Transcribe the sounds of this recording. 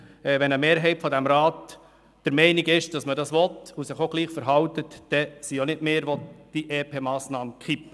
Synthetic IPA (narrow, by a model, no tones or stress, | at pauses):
ɛʋɛnəmeːɾɦɛɪtfɔdæmɾɑːt | d̥əɾmɛɪnɪɡɪʃd̥ɑsmədɑsʋɔtʊsɪχoɡ̥liːχfəɾɦɑwtətd̥ɛsionɪdmeːɾʋɔd̥iʔeːpʰeːmɑːsnɑːmənkʰip